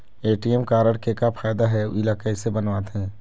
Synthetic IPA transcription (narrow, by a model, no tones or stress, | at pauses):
eːʈijɛmkaːɾəɽkekapʰaːjd̪aɦɛɪlaːkaisebənʋaːt̪ɦɛ̃ː